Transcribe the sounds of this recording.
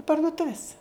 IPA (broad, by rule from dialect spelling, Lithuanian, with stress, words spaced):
pɐrdʊˈtʊʋʲɪs